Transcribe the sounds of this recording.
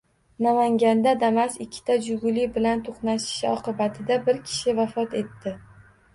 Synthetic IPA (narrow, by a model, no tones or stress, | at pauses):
namaŋɡʲand̪ad̪amasɪkʲʰːɪ̥t̪ʰad͡ʒʊɡʲʊlɪbɪlant̪ʰoqnaʃɪ̥ʃɒqɨbat̪ʰɪd̪abɪɾkʲʰɪ̥ʃɪvafɒt̪e̞t̪ʰːɪ